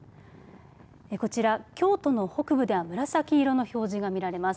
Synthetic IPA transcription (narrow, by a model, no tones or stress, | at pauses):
eko̞t͡ɕiɾakʲo̞ːt̪o̞no̞ho̞kɯ̟bɯ̟d̪e̞βamɯ̟ɾasakʲiːɾo̞no̞ço̞ːʑiɡamʲiɾaɾe̞mas